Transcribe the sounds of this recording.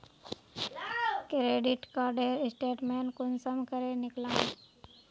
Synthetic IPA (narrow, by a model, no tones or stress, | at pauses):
kɾeːɖɪʈkaːɾɖeːɾɪsʈeːʈmeːnkʊnsəmkəɾenɪklãː